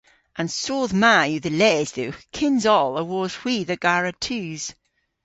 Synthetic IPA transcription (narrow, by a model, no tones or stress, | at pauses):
ʔə̃nsoːðmajʉðəlɛzðukʰɪnzɔlˠəwɔz̥w̥iːðəɡaɹətʰʉz̥